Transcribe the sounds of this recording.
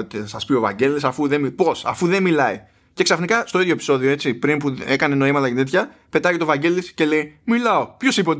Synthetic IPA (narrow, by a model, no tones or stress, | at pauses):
ot̪iɐsɐspio̞vɐ̰ɟe̞lisɐfuðemipo̞sɐ̰fuðemilɐi | ce̞ksɐfnikɐst̪o̞iðʝo̞epi̥so̞ðio̞e̞tt͡sipɾimpue̞kɐne̞no̞imɐt̪ɐcet̪e̞t̪çɐpe̞t̪ɐʝet̪ovɐɟe̞lisce̞le̞jmilɐo̞pço̞sipt̪